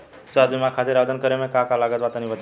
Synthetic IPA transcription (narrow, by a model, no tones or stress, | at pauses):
səəd̪ʋimãkʰat̪eɾad̪ʱənkəɾemẽkakalaɡət̪ʋat̪ənibət̪